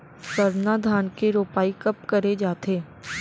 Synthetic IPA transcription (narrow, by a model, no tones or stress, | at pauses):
səɾnaːd̪ʱaːnkeɾoːpaːikəpkəɾed͡ʒaːt̪ʰeː